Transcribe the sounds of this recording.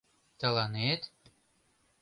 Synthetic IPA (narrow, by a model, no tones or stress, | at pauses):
t̪alˠɑnet̪